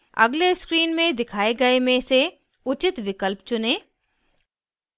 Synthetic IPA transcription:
ɐ̰ɡleskɾiːnmẽd̪ɪkʰaːeɡɐemẽse | ʊt͡ʃɪt̪ʋɪkəlpt͡ʃʊneː

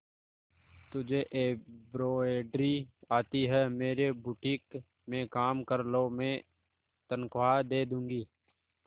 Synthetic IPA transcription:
t̪ʊd͡ʒʱeʔebɾoːeːɖɾiaːt̪iɦɛmeːɾebʊʈiːk | mẽkaːmkəɾlomẽː | t̪ənkʊad̪eːd̪ũːŋɡiː

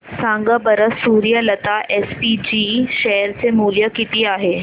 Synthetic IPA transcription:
sãŋɡəbəɾəsuːɾijələt̪aʔespid͡ʑiʃɛɦɾt͡semuːljəkit̪iaːɦe

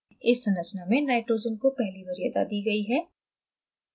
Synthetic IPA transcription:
ɪsːɐ̃nət͡ʃnamẽnaːɪʈɾoːd͡ʒənkopɛɦlibɐɾjɐd̪a̰d̪iːɡɐiɦɛː

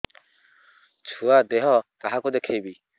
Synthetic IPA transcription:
t͡sʰuad̪eɦɔkaɦakud̪ekʰebi

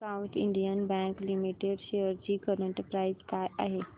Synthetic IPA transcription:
kaũɳʈ̪ʰḭɳɖijənbɛ̃ŋklimiʈeɖʃejəɾd͡ʑiːkəɾə̃ɳʈpɾaizkajʔa̰ɦe

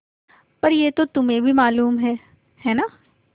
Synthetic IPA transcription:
pɐɾjeːt̪ot̪ʊmẽbʱimaːluːmɦɛː | hɛːnaː

